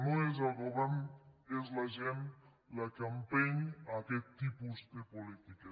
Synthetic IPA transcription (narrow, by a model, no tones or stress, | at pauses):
noezaɣoβanezlaʒen | lakampeɲaket̚t̪ːipuzt̪epolit̪ika